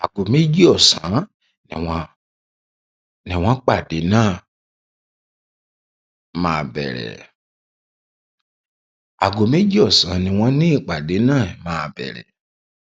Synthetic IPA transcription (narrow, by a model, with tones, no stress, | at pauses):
a˨ɡo˨me˦d͡ʒi˦ɔ˦˨sã˨˦ | nĩ˨˧ | nĩ˨w̃ɔ̃˦k͡pa˦˨de˨˦nãː˦˨ | mãː˨˧bɛ̰˨ɾɛ̰˨ | a̰˨ɡo˨me˦d͡ʒi˦ɔ˦˨sã̰˨˦nĩ˧w̃ɔ̃˧nĩ˦i˦˨k͡pa˨de˨˦nãː˦˨mãː˦˧bɛ̰˨ɾɛ̰˨